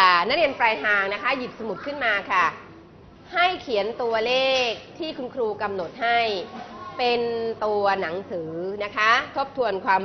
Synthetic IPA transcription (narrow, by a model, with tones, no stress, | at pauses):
a˧˩na˦˥k̚ɾi˧əmpɾaː˧jt̪ʰaː˧ŋna˦˥kʰa˦˥ji˨˩sa˧mu˨˩t̪̚kʰɯ˥˩nmaː˧kʰa˥˩ | ha˥˩jkʰi˩˦ənt̪u˧ɐleː˥˩k̚t̪ʰiː˥˩kʰu˧nkʰɾuː˧ka˧mno˨˩t̪̚ha˥˩jpe˧nt̪u˧ɐna˩˦ŋsɯː˩˦na˦˥kʰa˦˥t̪ʰo˦˥p̚t̪ʰu˧ənkʰwaː˧m